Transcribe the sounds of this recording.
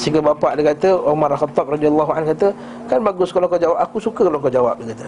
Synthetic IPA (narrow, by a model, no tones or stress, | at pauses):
səiŋɡəbapaʔdəkat̪əʔomaɾalxat̪ːɔp̚radialːɔɦuankat̪ə | kanbaɡʊskaloŋkɔd͡ʒawap̚akusukəkaloŋkɔd͡ʒawap̚dəkat̪ə